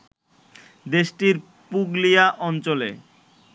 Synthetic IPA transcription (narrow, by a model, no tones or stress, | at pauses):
d̪eʃʈiɾ | puɡlijaʔɔnt͡ɕolḛ